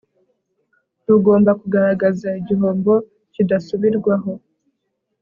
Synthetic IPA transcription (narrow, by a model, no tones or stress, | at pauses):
tuɡo̞ːmbakuɡaɾaɡazaiɟiɦo̞ːmbo̞ | cidasuβiɾɡwaɦo̞